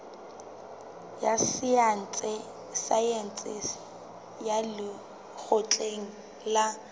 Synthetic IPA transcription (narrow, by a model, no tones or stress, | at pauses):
jasɪan̩t͡sʼɪ | sajɛn̩t͡sʼɪs | jalɪ | k͡xʰʊt͡ɬʼeŋ̩ | la